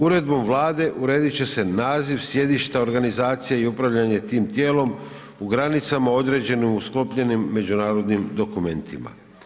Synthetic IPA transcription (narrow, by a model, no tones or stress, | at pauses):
uɾe̞d̪bo̞mʋlˠaːd̪e̞ʔuɾe̞ːd̪it͡ɕe̞se̞naːziʋsje̞d̪iʃt̪ao̞ɾɡanizaːt̪sijeiupɾaʋʎaɲe̞t̪iːmt̪je̞ːlo̞m | uɡɾanit̪samao̞d̪ɾe̞d͡ʑe̞nimusklo̞pʎe̞nimːe̞d͡ʑunaːɾo̞d̪nimd̪o̞kume̞nt̪ima̰